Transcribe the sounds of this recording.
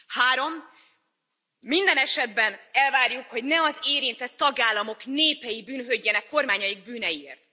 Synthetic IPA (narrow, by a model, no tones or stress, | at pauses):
haːɾo̞m | ind̪ɛnɛʃɛd̪bɛnɛlvaːrjukho̞ɟnɛɒzeːɾint̪ɛt̪ːɒɡaːlːɒmo̞kneːpɛjibyːnɦøɟːɛnɛkːo̞rmaːɲɒjiɡ̚byːnɛjiḛːrt̪